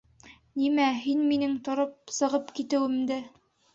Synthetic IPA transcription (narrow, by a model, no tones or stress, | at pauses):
nimæɦinminɘŋt̪ŏɾɤp̚sɤ̆ʁɤpkit̪ɘ̆wɘ̆md̪ɘ